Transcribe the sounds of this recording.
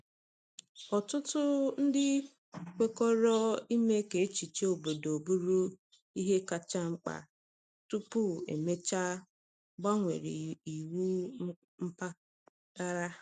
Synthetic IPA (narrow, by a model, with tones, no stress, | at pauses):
ɔ˨tʊ˦tʊ˦n̩˦dɪ˦ | kʷe˦kɔ˦ɾɔ˦i˦me˦ke˨e˦t͡ʃi˨t͡ʃe˦o˨bo˨do˨bu˦ɾu˦ | i˦ɦe˦ka˨t͡ʃa˦ŋ͡m̩˦k͡pa̰˨ | tu˦pu˦˨ḛ˨me˦t͡ʃa˦ | ɡ͡ba˦ŋʷḛ˨ɾi˨i˨wu˦ | m̩˦pa˦ | ta˦ɾa˦